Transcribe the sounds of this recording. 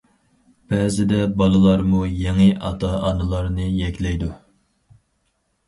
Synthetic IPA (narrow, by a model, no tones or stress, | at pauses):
b̥ɛːzɪd̪ɛbɑlˠɨlˠɑɾmujeŋɨʔɑ̰t̪ʰɑɑnɨlˠɑɾnɨjɛkʲlɛjd̪u